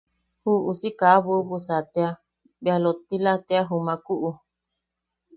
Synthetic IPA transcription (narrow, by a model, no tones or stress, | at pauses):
huʔusikaβuubusat̪ea | bealot̪ilat̪eaɦumãkuʔu